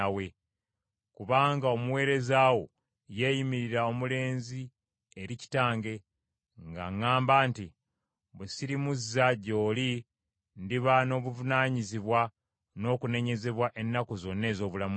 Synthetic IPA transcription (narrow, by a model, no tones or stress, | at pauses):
awe̞ | kuβaːŋɡao̞muwe̞ːɾe̞zaːwo̞ | je̞ːjimiɾiɾao̞mule̞ːnzi | eɾici̥taːŋɡe̞ | ŋɡa̰ŋːaːmbaːnti | βusiɾimuzːaɟo̞ːli | ndiβano̞ːβuvunaːɲiziβwa | no̞ːkune̞ɲe̞ze̞βwaʔe̞nːakozo̞nːe̞ːzo̞ːβulamu